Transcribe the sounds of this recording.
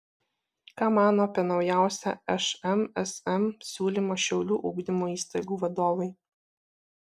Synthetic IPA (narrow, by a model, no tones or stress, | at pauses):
kɑːmɑːnoːɐpʲiɛnɒʊjæˑʊsʲæ̰ɛʃɛmɛsɛmsʲuːlʲimoːʃʲɛʊlʲuːʔuːɡd̪ʲɪmoːiːst̪ɐɪɡuːʋɐd̪oːʋɐɪ